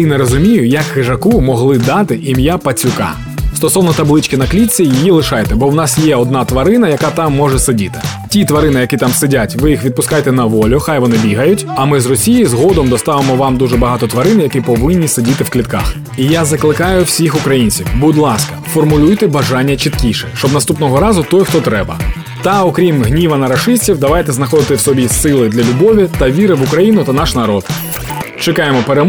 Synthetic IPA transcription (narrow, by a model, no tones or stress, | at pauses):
inɛɾɔzʊmʲijʊjɐkxɪʐɐkumɔɦlˠɪd̪ɑt̪ɪʔimjapɐt͡sʲʊkɑ̰ | st̪ɔsɔwnɔt̪ɐblˠɪt͡ʃkɪnɐklʲit͡sʲːijijilˠɪʃɑjt̪ɛbɔwnɑsjɛɔd̪nɑt̪ʋɐɾɪnɐjɐkɑt̪ɑmːɔʒɛsɪdʲit̪ɪ̥tʲit̪ʋɐɾɪnɪjɐkit̪ɑmsɪdʲatʲʋɪjixʋʲid̪̚pʊskɑjet̪ɛnɐʋɔlʲʊxajʋɔnɪbʲiɦɐjʊtʲɐmɪzrɔsʲijijizɦɔd̪ɔmd̪ɔst̪ɑʋemɔʋɑmd̪uʐɛbɐɦɑt̪ɔt̪ʋɐɾɪnjɐkipɔʋɪnʲːisedʲit̪ɪwklʲit̪̚kɑ̰x | ijazɐklˠɪkɑjʊwsʲixʊkɾɐjinʲt͡sʲiwbʊd̪lˠɑskɐ̥fɔrmʊlʲujt̪ɛbɐʒɑnʲːɐt͡ʃit̪kʲiʃɛʃt͡ʃɔbnɐst̪upnɔɦɔɾɑzʊt̪ɔjxt̪ɔt̪ɾɛbɐ̰ | t̪ɐɔkɾʲimɦnʲiʋɐnɐɾɐʃɪsʲtʲiwd̪ɐʋɑjt̪ɛznɐxɔd̪ɪt̪ɪwsɔbʲisɪlˠɪd̪lʲɐlʲʊbɔʋʲit̪ɐʋʲiɾɪʋʊkɾɐjinʊt̪ɐnɑʃnɐɾɔd̪ | t͡ʃekɑjemɔpeɾem